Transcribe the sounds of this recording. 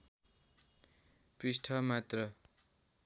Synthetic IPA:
prisʈʰʌmat̪rʌ

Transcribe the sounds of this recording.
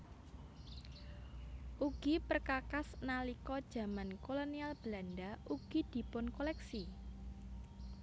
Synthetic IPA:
ʔuɡ̥ipərkakasnalikɔd̥ʒ̥ä̤mankolonialb̥landaʔuɡ̥id̪̥i̤pʊnkolɛksi

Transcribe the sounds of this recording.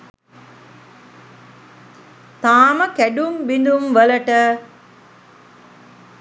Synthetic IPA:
t̪aːməkæɖumbind̪umʋəlɐʈə

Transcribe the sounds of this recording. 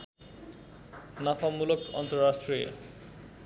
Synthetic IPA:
napʰamulokɔ̰nt̪oɾasʈɾiḛ

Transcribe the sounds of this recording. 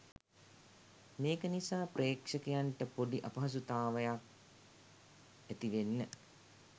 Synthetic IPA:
meːkənisaːpreːkʂəkejaɳʈəpoɖiʔapɐɦɐs̬ut̪aːʋəjak̚ | æt̪iʋenːə

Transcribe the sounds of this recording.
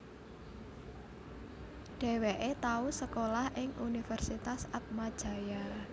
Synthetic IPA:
ɖ̥e̤weʔet̪ausəkolahʔɪŋunifɛrsit̪asat̪̚mad̥ʒ̥a̤ja

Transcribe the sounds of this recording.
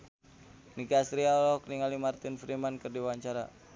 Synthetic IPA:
nikasɾiaɔlɔɔkniŋalimart̪infɾimankɨrdiwaɲt͡ʃaɾa̰

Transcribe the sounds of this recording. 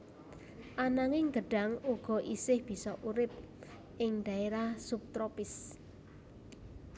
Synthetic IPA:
ʔanaŋɪŋɡəɖ̥a̤ŋuɡ̥ɔ̤ʔisɪhb̥i̤sɔʔuɾɪp̚ | ʔɪŋd̪̥a̤eɾahsup̚t̪ɾopɪs

